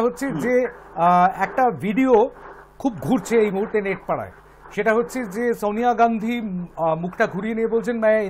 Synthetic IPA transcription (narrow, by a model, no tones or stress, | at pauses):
ɦotːɕʰed͡ʑe | ɛk̚ʈabʱiɖio | kʰub̚ɡʱuɾt͡ɕʰeejbuɦuɾt̪ːeneʈ̚paɽa̰e | ʃeʈaɦotːt͡ɕʰed͡ʑesonijaɡand̪ʱimukʰʈaɡʱuɽijeniebolt͡ɕʰenmɛ̃